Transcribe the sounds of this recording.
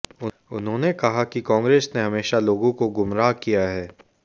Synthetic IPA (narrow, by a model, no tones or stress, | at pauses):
ʊ | ʊnɦõːnekɐɦakikãːŋɡɾeːsneɦɐmeːʃaloːɡõkoɡʊmɾaːkijaɦɛː